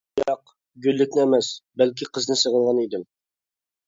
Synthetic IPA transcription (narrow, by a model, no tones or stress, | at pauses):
jɑq | ɡʲylːɪkʲnɪæmɛsbælkʲʰiqəznɨsəʁəlˠʁɑnid̪ɪm